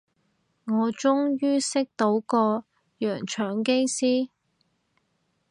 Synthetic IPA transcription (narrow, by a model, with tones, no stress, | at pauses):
ŋɔː˨˧t͡ʃʊ˥ŋjyː˥sɪ˥k̚t̪o˨˥wkɔː˧ | jœː˨˩ŋt͡ʃʰœː˨˥ŋke˥jsiː˥